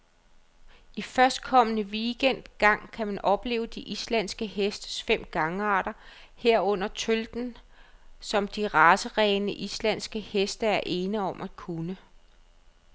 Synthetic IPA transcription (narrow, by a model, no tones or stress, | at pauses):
ifɶɐsd̥kʰɒ̽mənəʋiːɡ̥en̰d̥ɡ̥ɑ̈ŋ̰kʰæmænʔɒ̽b̥le̝̰ːʊəd̥iʔislæn̰sɡ̥əhesd̥əsfem̰ɡ̥ɑ̈ŋəɑ̈ːɾ̥ɐ | heɐ̰ɔ̽n̰ɐt͡sʰøld̥n̩ | sɒ̽md̥iʁɑ̈ːsəʁɛɪnəʔislæn̰sɡ̥əhesd̥ɐæɐʔe̝ːnəɒ̽mʔæd̥kʰunə